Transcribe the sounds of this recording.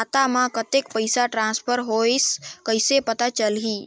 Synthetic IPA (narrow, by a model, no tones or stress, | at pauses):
at̪amãkət̪ekpəjsaʈɾãnspʰəɾɦojskəjsepət̪at͡ʃəlɦi